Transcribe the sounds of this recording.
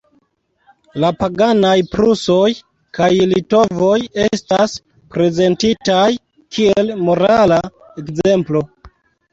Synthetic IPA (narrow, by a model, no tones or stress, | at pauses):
lapaɡanajpɾuso̞j | kajlito̞vo̞jestas | pɾe̞ze̞ntitaj | kʰielmo̞ɾala | ekze̞mplo̞